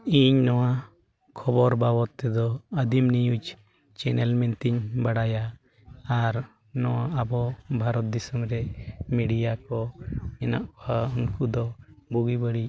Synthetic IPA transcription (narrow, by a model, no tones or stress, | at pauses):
iɲnɔwa | kʰɔbɔɾbabɔt̪ːɛd̪ɔəd̪imnijud͡ʒ | t͡ʃɛnɛlmɛnt̪iɲbaɽaja | aɾ | nɔwaabɔbʱaɾɔt̪̚d̪isəmɾɛmiɖijakɔɛna̰ʔaunkud̪ɔbuɡibəɽic